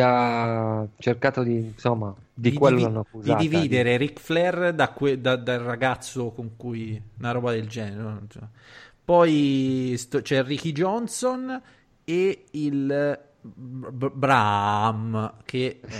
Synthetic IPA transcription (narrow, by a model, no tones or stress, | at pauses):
a | t͡ʃerkaːt̪od̪isomːa | d̪ikwelːoanːakːuziad̪iviːd̪eɾeɾikflɛrd̪akwed̪ad̪alraɡat̪sːokoŋkujnaɾɔːbad̪eld͡ʒɛːneɾosomapɔjst̪ɔt͡ʃɛrik̟id͡ʒɔnson | eil | bɾamke